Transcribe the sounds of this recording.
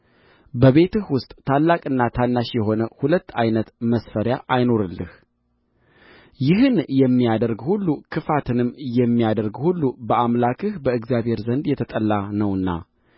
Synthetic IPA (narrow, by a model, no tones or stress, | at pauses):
bəβe̞t̪ɨhwʊst̪ʼt̪ʰalːakʼɨnːat̪ʰanːaʃjɛɦo̞nəhulət̪ːajnət̪məsfəɾjaʔajno̞ɾɨlːɨ̰h | jɪɦɨnjɛmːijad̪əɾɡhulːukʰɨfat̪ʰɨnɨmjɛmːijad̪əɾɡhulːubəamlakʰɨhbəɨɡzjaβhe̞ɾzənd̪jɛt̪ʰət̪ʼəlːanəwɨnːa̰